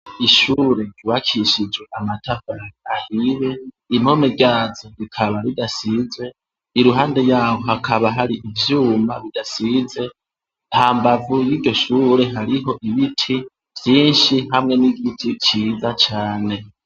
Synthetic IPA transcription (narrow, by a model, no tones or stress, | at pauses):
iʃuːɾe̞iwakʰiʃid͡ʒwe̞ʔamatʰafaɾahiβe̞ | im̥ho̞meɡɟaːzoɾikʰaβaβidasizwe̞ | iɾuɦaːnde̞jaːwo̞hakʰaβaɦaɾiʔivjuːmaβidasize̞ | nhaːmbavujiːɟo̞ʃuːɾe̞ɦaɾiɦo̞ʔiβitʰi | vjiːnʃiɦamŋe̞niɡitʰit͡ʃiːzat͡ʃaːne̞